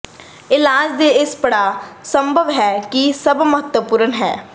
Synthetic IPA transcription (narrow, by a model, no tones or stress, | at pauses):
ɪlaːd͡ʒd̪eːɪspəɽaːsəmbʱəʋɦɛːkisəbməɦət̪wəpuːɾənɦɛ̰ː